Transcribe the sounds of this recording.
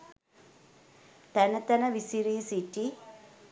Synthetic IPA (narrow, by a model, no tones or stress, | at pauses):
t̪ænət̪ænəʋisiɾiːsiʈi